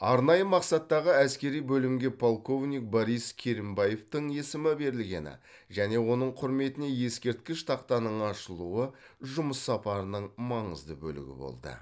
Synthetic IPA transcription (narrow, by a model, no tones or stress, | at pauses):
ɑɾnɑjəmɑqsɑt̪ːɑʁəæskʲe̞ɾijbɵlɪmɡʲe̞pʰolˠko̞vnʲijk̚boɾijskʲʰe̞ɾimbɑje̞ft̪əɴje̞sɪmɪbe̞ɾɪlɡʲe̞̰nɪ̰ | ʒæne̞wo̞nəɴqʰʊɾme̞t̪ɪne̞je̞skʲe̞ɾt̪̚kʲɪʃt̪ʰɑqt̪ɑnəɴɑʃəlˠuə | ʒʊməsːɑpɑɾənəɴmɑɴəzd̪ə̰bɵ̰lɪ̰ɡʲɪ̰bo̰lˠd̪ə̰